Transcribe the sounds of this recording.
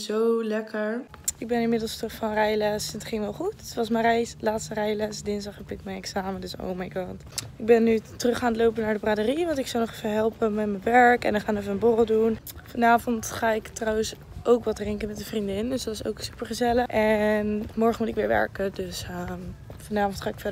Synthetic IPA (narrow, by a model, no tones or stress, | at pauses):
zowlɛkəɹ | ɪɡ̚bɛnɪnmɪdəlˠstrɵχfɑnrɛjlɛsnətχɪŋʋɛlˠχuttʋɑsmərɛjslaːtstərɛjlɛsdɪnsdɑχəpɪkmɛjnɛksaːmədøso̰wmajɡɑːt | ɪɡ̚bɛnːytərɵχaːnətlowpənaːɹdəbraːdəriʋɑntɪksɔwnɔχɛfəlˠɦɛlˠpəmɛtmənʋɛɹkɛ̰ndɔχaːnɛfəənbɔrəlˠdun | fɑnaːvɔntχaːɪktrawəs | ʔowkʋɑtrɪŋkənmɛt̚dəvrindɪndøsdtɪso̰wksypəɹχəzɛləʔɛnmɔɹχənmutɪkʋɪːɹʋɛ̰ɹkədøsəfɑnaːfɔntχaːɪkfɛd